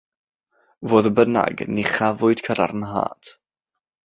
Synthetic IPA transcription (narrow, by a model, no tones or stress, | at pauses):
voːðəbəna̰ɡniχavʊɨd̥kʰəɾa̰ɾənɦa̰ːt